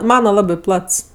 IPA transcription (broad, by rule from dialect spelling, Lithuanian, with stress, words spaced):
ˈmɑːnɐ ˈlˠɑːbʲɪ ˈplˠɐts